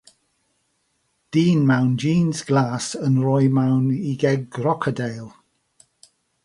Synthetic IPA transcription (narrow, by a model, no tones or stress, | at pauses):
d̥iːnmawnd͡ʒiːnzɡ̥laːsənɹɔjmawniɡɛɡrɔkʰədejlˠ